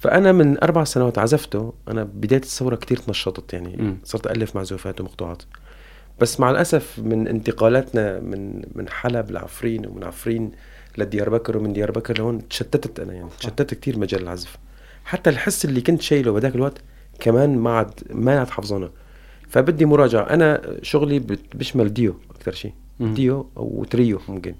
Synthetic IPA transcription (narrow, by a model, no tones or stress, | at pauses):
fa̰ʔanamɪnʔɑɾˤbaʕsanawaːt̪ʕazaft̪ʊʔa̰nabɪd̪aːjat̪ɪ̥sːawɾˤɑkt̪iːɾt̪nɑʃːɑt̪ˤt̪ˤjaʕnḭsˤɑːɾˤt̪ʔalːɪfmaʕzʊːfaːt̪wmɑqt̪uːʕɑːt̪ | b̥asːmaʕalʔasafmɪnʔɪ̰nt̪ɪqɑːlaːt̪namɪ̰nmɪ̰nħalabɪlʕa̰fɾiːnw̰mɪ̰nʕa̰fɾiːn | lad̪ɪjɑːɾˤbakɑɾwmɪnd̪jɑːɾˤbakɑɾˤlhoːnt̪ʃat̪ːat̪t̪ʔa̰na̰jaʕnit̪ʃat̪ːat̪k̚t̪iːɾmad͡ʒaːlɪlʕazf | ħat̪ːalħɪsːʔɪlːikʊnt̪ʃajlubɪd̪aːkɪlwaʔt̪ | kamaːnmaʕad̪maʕt̪ħɑfzˤuːna | fabɪd̪ːimʊɾˤɑːd͡ʒaʕa̰ʔa̰naʃʊɣlibbɪʃmald̪ɪjoʔakt̪ɑɾˤʃḭː | d̪ɪjo̰w̰t̪ɾiːjomʊmkɪn